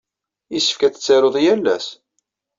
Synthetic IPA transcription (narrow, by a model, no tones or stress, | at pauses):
isəfkæt͡sə̥t͡sːaɾoðˤjælːæ̰s